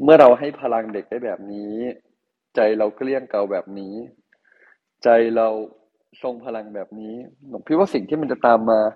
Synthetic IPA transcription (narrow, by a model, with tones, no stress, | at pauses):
mɯ˥˩ɐɾa˧wɦa˥˩jpʰa˧la˧ŋde˨˩k̚da˥˩jbɛː˨˩p̚niː˦˥ | t͡ɕa˧jɾa˧wkli˥˩əŋka˧wbɛː˨˩p̚niː˦˥ | t͡ɕa˧jɾa˧w | so˧ŋpʰa˧la˧ŋbɛː˨˩p̚niː˦˥no˨˦kʰi˦t̪̚waː˥˩si˨˩ŋt̪ʰiː˥˩ma˧nt͡ɕa˨˩t̪aː˧mːaː˧